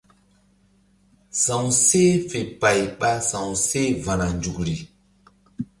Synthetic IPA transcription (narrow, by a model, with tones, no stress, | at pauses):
sã˨wse˦fe˨pa˨jɓa˦sã˨wse˦va˨na˨nd͡ʒu˨kɾi˨